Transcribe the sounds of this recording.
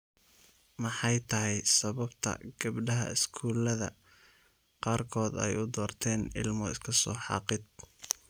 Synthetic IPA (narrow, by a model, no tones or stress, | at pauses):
mɑħɑjt̪ʰɐɦɛjsɐβɐbt̪ʰɐ̰ɡ̥ɐbɖɐɦɐ̰ɪskʰuːlɐðɐ̰ | qɑːrkʰɔːd̪ɛ̰jʊd̪ɔːrt̪ʰɛːnɪ̰lmɔɪskʰɐsɔːħɑ̰ːqɪd̪̚